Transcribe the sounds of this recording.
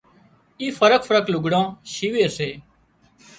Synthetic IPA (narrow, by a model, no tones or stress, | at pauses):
iːfəɾəkfəɾəklʊɡʱɽãːʃiːʋeːseː